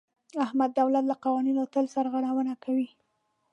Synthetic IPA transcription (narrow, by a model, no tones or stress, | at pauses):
ahmad̪ːawlat̪laqɑwɑninot̪əlsaɾɣaɽ̃awənakawi